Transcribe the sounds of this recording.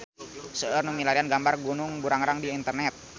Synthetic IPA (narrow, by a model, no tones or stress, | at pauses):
səərnumilaɾianɡambarɡunʊŋbuɾaŋɾaŋdiːnt̪ərnɛt̪̚